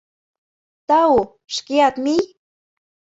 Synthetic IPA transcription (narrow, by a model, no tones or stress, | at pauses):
t̪ɑu | ʃkeɑt̪mij